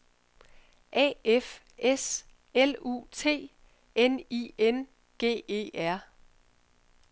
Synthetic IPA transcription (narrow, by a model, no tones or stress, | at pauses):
ʔɛ̰ːef | es | elṵːt͡sʰe̝̰ː | enien | ɡ̥e̝̰ːe̝̰ːʔæɐ̰